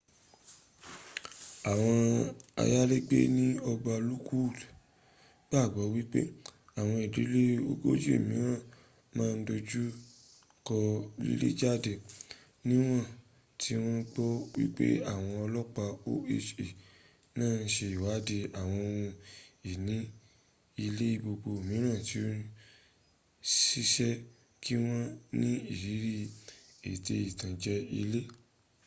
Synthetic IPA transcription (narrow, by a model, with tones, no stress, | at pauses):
a˨w̃ɔ̃˧a̰˧ja˦le˦ɡ͡bḛ˦nĩ˦ɔ˧ba˧lu˦ku˦˨ | ɡ͡ba˦˨ɡ͡bɔ˨˦wi˦k͡pḛ˦ | a˦˨w̃ɔ̃˧i˨di˨˦le˦o˧ɡo˦d͡ʒu˦ḛ˦˨mĩ˨˦ɾã˦˨ | mãː˦˧n̩˦do˧d͡ʒu˦ | kɔ˧lḭ˦lḛ˦d͡ʒa˦˨de˨ | nĩ˦w̃ɔ̃˦ | tʰi˧w̃ɔ̃˦ɡ͡bɔ˦wi˦k͡pḛ˦a˦˨w̃ɔ̃˧ɔ˧lɔ˦k͡pa˧o˦e˧ʃe˨ | nãː˦˨n̩˦ʃe˧i˨wa˨˦de˧a˨w̃ɔ̃˧o˧wũ˧i˨nĩ˨˦ | i˧le˦i˦˧˦bo˧ɡ͡bo˧o˨mĩ˨˦ɾ̃ã˦˨ti˨˦o˦ | si˦ʃɛ˦ | ki˦w̃ɔ̃˦nĩ˦i˦˨ɾi˨˦ɾi˦e˨te˧i˨tã˨d͡ʒɛ˧˦ḭ˧le˦